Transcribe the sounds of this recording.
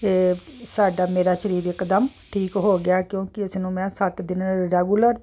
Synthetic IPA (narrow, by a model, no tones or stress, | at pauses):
eːsaːɖaːmeːɾaːʃəɾiːɾɪkd̪əm | ʈʰiːkɦoːɡɪaːkjõːkɪəsnũːmɛ̃ːsət̪d̪ɪnɾeːɡʊləɾ